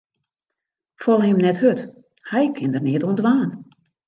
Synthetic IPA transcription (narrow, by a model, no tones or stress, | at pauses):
fɔlˠəɪmnɛthøt | hɛjkʰɪndərnɪətoəndʋaːn